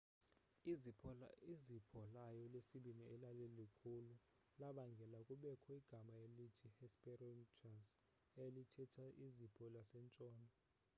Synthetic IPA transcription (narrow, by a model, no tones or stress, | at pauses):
izipʰɔlajɔlesiɓiniɛlalelikʰulu | laɓaŋɡʱɛlakʼuɓɛkʰɔiɡ̥ʱamajelitʰihɛspʼɛrɛnt͡ʃʰʼaz | elitʰɛtʰaʔizipʰʼɔlasɛnt͡ʃʼɔːnɔ